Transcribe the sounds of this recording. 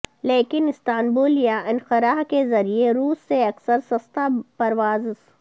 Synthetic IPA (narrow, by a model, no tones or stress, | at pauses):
leːkɪnɪst̪aːnbuːljaʔɪnxɪɾaːɦkezɐɾieɾuːsːeɐksəɾsɐst̪apɐɾʋaːzs